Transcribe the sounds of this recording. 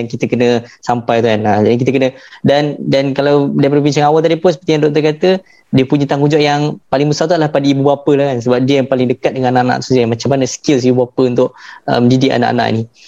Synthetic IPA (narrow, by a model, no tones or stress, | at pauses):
aŋkit̪əkənə̃sampajt̪ukanad͡ʒadik̬it̪əkənədandankalawdapɾvinsəŋawalt̪adipʊnsə̥pərt̪ijandɔk̚t̪ərkat̪ə | diəpuɲət̪aŋud͡ʒɔʔjaŋpalɪŋmusat̪̬ualahpadəibubapəlahkans̬əbap̚diəjaŋpalɪŋdəkat̪̚dəŋãnanaʔana̰ʔt̪u̥suamat͡ʃamːanəsə̥kilsibbuapəunt̪ʊʔ̚ə̰məndidɪʔa̰na̰ʔa̰na̰ʔḭni